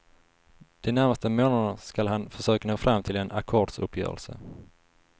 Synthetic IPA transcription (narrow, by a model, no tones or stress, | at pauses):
d̪̥ɛnæɾmast̪əmoːnad̪əskalhɦanfœʂøːkanoːfɾʔamːt̪ʰɪlɛna̰kʰoːɖsɵ̰pʰːjœ̰ːɾə̰lsə̰